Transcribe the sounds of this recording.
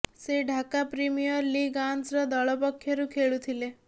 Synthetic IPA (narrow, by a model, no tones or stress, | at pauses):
seɖʱakapɾimijɔɾliɡansɾɔd̪ɔɭɔpɔkʰːjɔɾũkʰeɭut̪ʰile